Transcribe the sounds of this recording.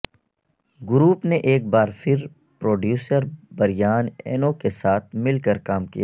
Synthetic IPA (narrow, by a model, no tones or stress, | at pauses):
ɡʊɾuːpneʔeːk̚baːɾfʰɪɾ | pɾoːɖjuːsəɾbɐɾijaːnḛːnokesaːt̪̚ʰmɪlkəɾkaːmkḭjaː